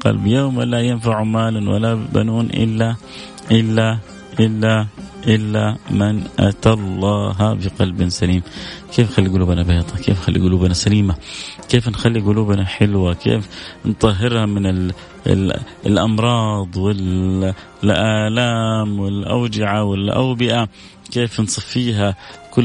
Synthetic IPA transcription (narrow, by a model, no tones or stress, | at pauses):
qɑ̰lbjoːmwalːajɪnfaʕumaːlawa̰laba̰nuːnʔɪ̰lːa | ʔɪlːa | ʔɪlːaʔɪlːamɪnʔa̰t̪alˤːɑːɦabɪqɑlbnsaliːmkeːfxalːiɡʊluːbanabeːt̪ˤɑkḛːfxalːḭɡʊluːbanasaliːmakeːfnxalːiɡʊluːbnaħɪlwakḛːfnt̪ˤɑɦːɪɾhamɪnɪ̰ | lʔɑmɾˤɑːd̪ˤwɪl | ʔaːlaːmwɪlʔawd͡ʒɪʕawɪlʔa̰wbɪʔa | keːfnsˤɑfːiːɦakʊ